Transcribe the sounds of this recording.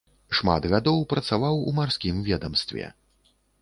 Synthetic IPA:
ʂma̰d̪ɣad̪ɔwpɾɐt̪savawumarsʲkʲimvʲɛd̪ɐmst̪vʲɛ̰

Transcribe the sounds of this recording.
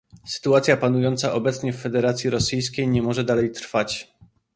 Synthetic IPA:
sɘ̥t̪uat̪sʲjapanujɔnt̪saʔɔbɛt̪sɲɛfːɛd̪ɛɾat̪sʲjiɾɔsɘjskʲejɲɛmɔʐɛd̪alɛjt̪ɾfat͡ɕ

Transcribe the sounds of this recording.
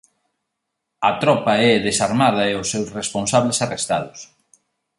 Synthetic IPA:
ɐt̪ɾɔpɐɛðesaɾmaðɐeʊsːewsresponsaβlesarest̪aðʊs

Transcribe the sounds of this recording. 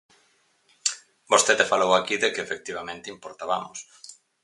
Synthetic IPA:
bost̪eðefalowakiðekefek̚t̪iβamẽnt̪ɪimpoɾt̪aβamʊs

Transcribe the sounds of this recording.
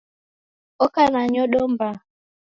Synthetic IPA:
ɔkanaɲɔɗomba

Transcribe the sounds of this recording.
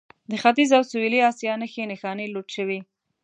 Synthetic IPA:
d̪əxat̪izawsuwiliɑsjɑnəxenexɑneloʈʃəwi

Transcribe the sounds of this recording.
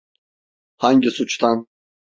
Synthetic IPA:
haɲɟisut͡ʃt̪ʰan

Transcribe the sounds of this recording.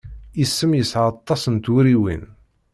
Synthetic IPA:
isːəmjəsʕɑt̪ˤːɑsənt̪wuɾiwḭn

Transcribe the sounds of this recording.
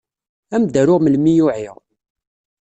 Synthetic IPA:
æmd̪æɾʊʁməlmijʊʕiʁ

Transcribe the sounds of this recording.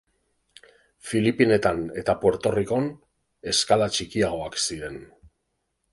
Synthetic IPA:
filipine̞t̪ane̞t̪apwe̞ɾt̪o̞riko̞n | e̞skalat͡ʃikiaɣ̞o̞aksiɾe̞n

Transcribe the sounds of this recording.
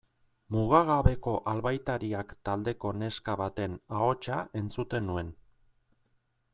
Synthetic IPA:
muɣ̞aɣaβe̞ko̞ʔalβajt̪aɾiakt̪ald̪e̞ko̞ne̞skaβat̪e̞nao̞t͡ʃae̞nt͡sut̪e̞nue̞n

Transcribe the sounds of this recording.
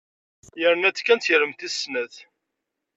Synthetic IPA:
jəɾənæt͡skːænt̪çəɾəmθisnəθ

